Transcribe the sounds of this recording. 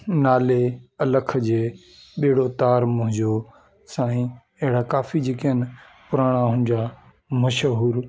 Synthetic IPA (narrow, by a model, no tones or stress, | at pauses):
naːleɐləkʰd͡ʑeː | ɓiːɪɽot̪aːɾmʊ̃ɦɪ̃ɲd͡ʑo | sãːĩ | ɐɦɪɽakaːfid͡ʑeːkiɦən | pʊɾaːɽ̃aɦʊ̃nɪ̃̆d͡ʑa | mɐʃɦuːɾ